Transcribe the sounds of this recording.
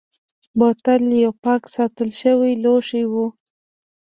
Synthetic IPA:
bot̪aljawpɑksɑt̪əlʃəwiloʂiwu

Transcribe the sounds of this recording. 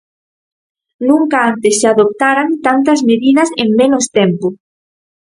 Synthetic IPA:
nũŋkaant̪essaðop̚t̪aɾant̪ant̪ɐzmeðiðɐseŋmẽnost̪empo

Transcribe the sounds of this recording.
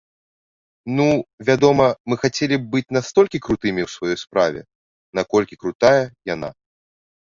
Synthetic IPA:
nuvʲad̪ɔmɐmɨxat͡sʲelʲib̚bɨt͡sʲnast̪ɔlʲkʲikɾut̪ɨmʲiwsvajɔjspɾavʲɛ̰ | nakɔlʲkʲikɾut̪ajɐjana̰

